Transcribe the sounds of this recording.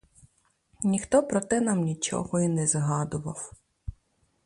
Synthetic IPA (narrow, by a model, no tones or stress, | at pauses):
nʲixt̪ɔpɾɔt̪ɪnɐmnʲit͡ʃɔ̰ɦɔinɛzɦɑd̪ʊʋɐw